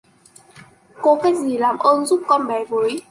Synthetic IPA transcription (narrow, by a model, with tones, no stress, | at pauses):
ko˨˧˦kaː˨˦jk̚zi˨˩laː˨˩mʔəː˧nzu˦˥p̚kɔ˧nɓɛ˨˩vəː˨˦j